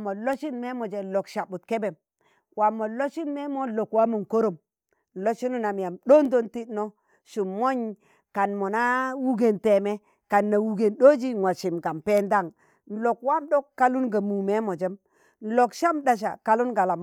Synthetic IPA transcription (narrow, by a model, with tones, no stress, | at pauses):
mo˨lo˦ʃi˦nme˦mo˨d͡ʒe˨lo˨kʃa˨bu˨tke˦be˨m | wa˨mːo˨lo˦ʃi˦nme˦mo˦lo˨kwa˦mu˨nko˦ɾo˨m | n̩˨lo˦ʃi˦nu˦na˨m˨ja˨mdo˦n˦do˦nti˦tno˦ | ʃu˨mːo˦ɲ | ka˨nmo˨na˦wu˦ɡe˨nte˨me˦ | ka˨nːa˨wu˨ɡe˨nɗo˦d͡ʒi˦ŋwa˨ʃi˨mɡa˨mpe˦nda˦˨ŋ | n̩˨lo˨kwa˦mɗo˦kːa˦lu˦nɡa˨mu˨me˦mo˨d͡ʒe˦m | n̩˦lo˨kʃa˦mda˨ʃ̬a̰˨ka˦lu˦nɡa˨la˨m